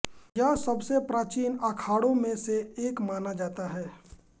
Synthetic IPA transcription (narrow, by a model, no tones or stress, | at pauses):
jasɐbsepɾaːt͡ʃiːnakʰaːɽõmẽseeːkmaːnad͡ʒaːt̪aɦɛː